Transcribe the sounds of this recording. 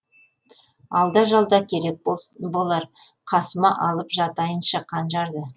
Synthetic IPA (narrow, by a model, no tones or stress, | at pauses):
ɑlˠd̪ɑʒɑlˠd̪ɑkʲʰe̞ɾe̞k̚bo̞lˠɑɾ | qʰɑsəmɑʔɑlˠəpʒɑt̪ɑjənʃɑqʰɑnʒɑɾd̪ə